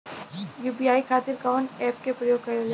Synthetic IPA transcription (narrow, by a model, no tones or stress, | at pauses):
juːbiːaːikʰaːt̪ɪɾkaʊɳʈɛːp̚kepɾɐjoːɡ̚kɐɾel